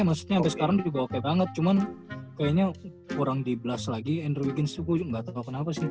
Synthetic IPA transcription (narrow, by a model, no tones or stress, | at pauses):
masu̥t̪̚ɲabɛsə̥kaɾaŋd͡ʒuɡawakabaŋət̪̚t͡ʃumankajaɲa | kuɾaŋdibəlaslaɡiɛndərwiɡɛnst̪ukuŋɡat̪akakənapasɪh